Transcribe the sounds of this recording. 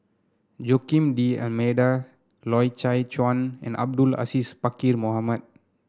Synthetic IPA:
d͡ʒokĩmdiɛ̰lmeda | lɔjt͡ʃajt͡ʃwãnɛ̰̃nʔa̰b̚dula̰sispakirmoɦamat̚

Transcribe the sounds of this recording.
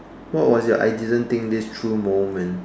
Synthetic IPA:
wɔt̚wɔsjɔʔa̰jdidə̃nt̪ɪ̃ŋk̚distʰɹumõmɛ̃n

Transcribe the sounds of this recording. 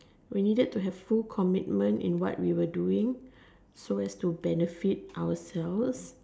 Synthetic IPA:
winidəd̚tːuɦɛv̥fulkʰɔmit̚mə̃ntḭ̃nwɔ̰twiwəduɪ̃ŋ | soɛstubɛnəfit̚ʔawəsɛls

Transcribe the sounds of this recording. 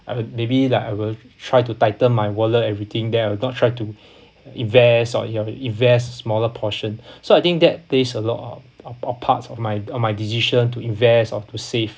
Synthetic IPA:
ajwmebilaɪkaɪwil | tʰɹ̥ajtutaɪtə̃nmajwɔləɛvɹit̪ʰɪ̃ŋdɛtajwilnɔtʰɹaɪtu | ĩnvɛsɔ̰əĩnvɛstəsmɔləpʰɔʃə̃nsoajt̪ɪ̃ŋk̚dɛt̚pʰlesəlɔ̰tɔ̰ | ɔpʰa̰tsɔfmajɔfmajdisiʃə̃ntuĩnvɛstɔtusef

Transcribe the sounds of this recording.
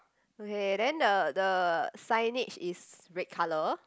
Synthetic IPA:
okedɛ̃ndədəsajnit͡ʃisɹɪt̚kʰalə

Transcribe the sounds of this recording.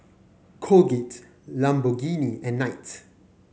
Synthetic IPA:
kʰoɡit | lãmboɡiniɛ̃nːaɪt

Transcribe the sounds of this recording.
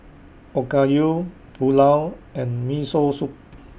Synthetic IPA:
ɔkaju | pulawɛ̃nmisosuk̚

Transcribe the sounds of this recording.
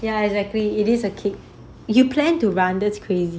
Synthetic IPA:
jaɛɡzɛk̚liːɾisəkʰɪk̚ | jupʰlɛ̃ntuɹãndɛtskʰɹezi

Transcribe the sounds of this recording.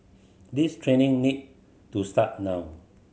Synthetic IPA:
distʰɹenĩŋnid̚ | tustat̚nãw

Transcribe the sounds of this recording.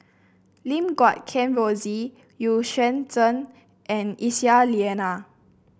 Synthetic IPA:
lĩmɡwɔt̚kʰɛ̃nvozi | juʃə̃ntə̃n | ʔɛ̃nisialiɛna

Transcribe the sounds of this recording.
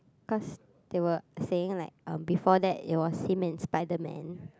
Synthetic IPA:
kɔs | d̥ewəseɪ̃ŋlaɪk̚ʌ̃mbifɔdɛt̚ḛt̚wɔsːĩmɛ̃nspaɪdəmɛ̰̃n

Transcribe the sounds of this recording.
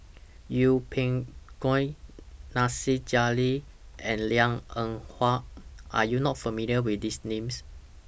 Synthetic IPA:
jupʰẽŋɡ̥ɔ̃jnasid͡ʒali | ʔɛ̃nliãŋə̃ŋhwaʔʔa̰junɔt̚fəmiliəwitdisnẽms

